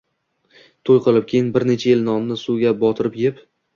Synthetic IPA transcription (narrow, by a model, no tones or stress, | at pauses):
t̪ʰojqʰɨlˠɪp̚kʲʰejɪnbɪɾne̞t͡ʃʰajelnɒnnɪsuɡʲabɒt̪ʰɪɾɪpjep